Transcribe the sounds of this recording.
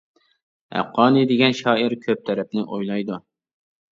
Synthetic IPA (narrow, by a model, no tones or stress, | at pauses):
æ̰qːɑːnɨd̪ɪɡʲɛnʃɑːiɾkʲʰøp̚t̪ʰɛɾɛp̚nɪʔojlˠɑjd̪u